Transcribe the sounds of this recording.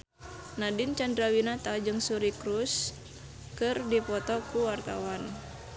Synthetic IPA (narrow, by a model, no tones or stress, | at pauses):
nadint͡ʃandɾawinat̪ad͡ʒɨŋsuɾikɾus | kɨrdipɔt̪ɔkuwart̪a̰wan